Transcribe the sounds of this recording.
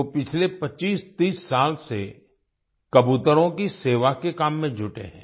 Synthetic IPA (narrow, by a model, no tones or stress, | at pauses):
opɪt͡ʃʰlepɐt͡ʃiːst̪iːsːaːlsḛ | kɐbuːt̪əɾõkiseːʋakekaːmːẽd͡ʒʱʊʈḛɦɛ̰̃ː